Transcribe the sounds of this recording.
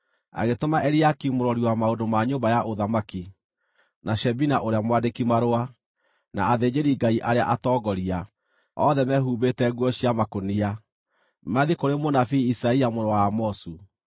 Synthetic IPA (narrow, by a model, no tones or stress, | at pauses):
a̰ɣetomaʔɛɾiakiumoɾɔɾiwamaodomaɲoːmbajaʔoðamaki | naɕɛbinaʔoɾeamwadekimaɾoa | na̰ːðed͡ʑeɾiɡaiʔaɾea̰ʔatɔːɡɔɾia | ɔðɛmɛɦuːβetɛɣwɔɕiamakonia | maðikoɾemonafiːsaiamoɾɔwamɔsu